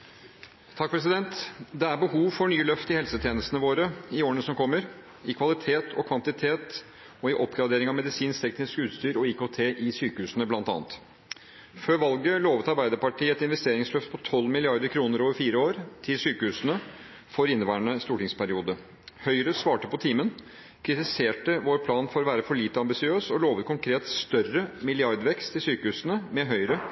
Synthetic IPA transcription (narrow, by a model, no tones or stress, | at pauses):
t̪ʰɑk̚ːpʰɾɛs̬ɪd̪ɛnt̪d̪ɛæɾbəhuːʋfɔɳyːlœft̪ɪhɛlsət̪ʰjeːnəst̪ənəʋoːɾəɪoːɾəɳəsɔmkʰɔmːəɾ | ɪkʰʋɑlɪt̪ʰeːt̪ʰɔkʰʋɑnt̪ɪt̪ʰeːt̪ | ɔɪʔɔpɡɾɑd̪eːɾɪŋɑmɛd̪ɪsiːnst̪ʰɛknɪskəʉːt̪st̪yːɾɔikot̪ʰeːʔɪsyːkəhʉːsənəblɑnt̪ɑ̰ːnt̪ | føːɾʋɑlɡəloːʋət̪ɑɾbæɪd̪əɾpɑʈiːɛt̪ɪnʋɛst̪eːɾɪŋslœft̪pʰɔt̪ʰɔlːmɪlɪɑɾd̪əɾkʰɾuːnəɾoːʋəɾfiːɾəoːɾt̪ʰɪlsyːkəhʉːsənə | fɔɾɪnːəʋæːɳəst̪uːʈɪŋspʰæɾɪuːd̪ə | hœʏɾəsʋɑːʈəpɔt̪ʰiːmən | kʰɾɪt̪ɪseːʈəʋoːɾpʰlɑːnfɔɾɔʋæːɾəfɔɭiːt̪əɑmbɪsɪøːsɔloːʋət̪̚kʰʊŋkʰɾeːt̪st̪œrəmɪlɪɑɾd̪ʋɛkst̪ɪsyːkəhʉːsənəmɛɦœʏɾə